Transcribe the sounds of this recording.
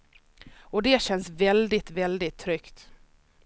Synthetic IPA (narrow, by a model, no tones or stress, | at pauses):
ɔd̪ɛɕɛnsvɛld̪ɪt̪vɛld̪ɪt̪ʰːɾʏkt̪